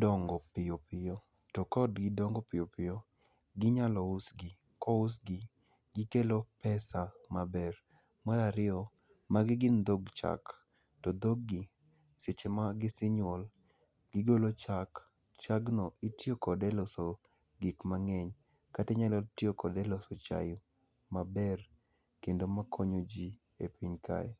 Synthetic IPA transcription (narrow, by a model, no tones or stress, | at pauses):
dɔŋɡɔpɪjopɪjo | tɔkɔdɡɪdɔŋɡɔpɪjopɪjo | ɡɪɲalɔusɡi | kɔʊs̬ɡi | ɡɪkelopɛsamabɛr | maɾaɾɪɔ | maɡɪɡɪnd̪oɡt͡ʃa̰k | tɔd̪oɡːɪ | set͡ʃemaɡɪsɪɲwɔl | ɡɪɡolot͡ʃak | t͡ʃaɡnɔʔitjokɔdɛlɔso | ɡikmaŋɛɲ | katɛɲalɔtjokɔdɛlɔsɔt͡ʃa̰j | mabɛr | kendomakʰɔɲod͡ʒi | epiɲkʰa̰ɛ